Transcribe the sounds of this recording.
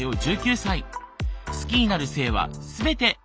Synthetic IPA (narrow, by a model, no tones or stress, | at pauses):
o̞d͡ʑɨːkʲɨːsaisɨ̥kʲiɲ̟inaɾɯ̟se̞ːβ̞a̰sɨbe̞t̪e̞